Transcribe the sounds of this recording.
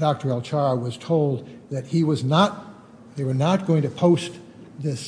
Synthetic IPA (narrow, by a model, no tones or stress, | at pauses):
d̥ɑk̚tə˞ɛlˠt͡ʃʰɑɹwʌz̥tʰoʊlˠd̪̚ðɨt̚hiwʌznət̪̚ | ðeɪwə˞nət̚ɡ̥oʊɪ̃ŋtʰɨpʰoʊst̪ | ðɪs